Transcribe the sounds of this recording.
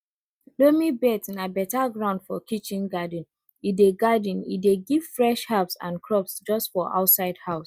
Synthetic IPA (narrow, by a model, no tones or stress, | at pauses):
lomibɛtĩnabɛtaɡɹãʊ̃ndfɔkit͡ʃĩnɡad̃n | ideɡadĩnḭdeɡiv̥fɹɛʃhapsã̰nkʰɹɔpsd͡ʒɔstfɔʔa̰ʊtsaɪdhaʊs